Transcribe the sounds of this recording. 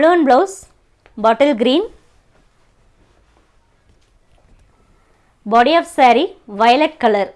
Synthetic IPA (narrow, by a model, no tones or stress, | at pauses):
ɭuʋɐnbloːs | bɔʈɐlɡɾĩːn | bɔːɖiɔːfsɛːɾiʋɐjlɛʈ̚kɐlɐɾ